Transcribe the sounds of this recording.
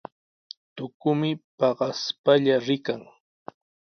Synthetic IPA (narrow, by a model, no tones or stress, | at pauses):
t̪ʊkʊmɪpɑɢɑspaʎaɾɪkaŋ